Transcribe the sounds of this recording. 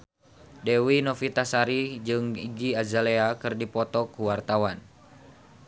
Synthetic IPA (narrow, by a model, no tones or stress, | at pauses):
dɛwinofit̪asaɾid͡ʒɨŋiɡiazaleakɨrdipɔt̪ɔkuwart̪awan